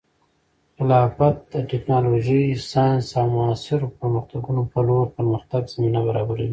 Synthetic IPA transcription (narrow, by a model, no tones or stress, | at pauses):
ɪlɑfat̪̚d̪əʈɪknɑloʒisɑjnnsɑmʊasɪɾopəɾməxt̪aɡunopəloɾpəɾməxt̪aɡz̥aminabaɾɑbaɾawi